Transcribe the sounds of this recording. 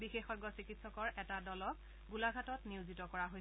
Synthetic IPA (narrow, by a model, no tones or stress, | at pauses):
bixexɔɡɔsikitsɔkɔɹʔɛtadɔlɔk | ɡulaɡʱatɔtniʊzitɔkɔɹaɦojs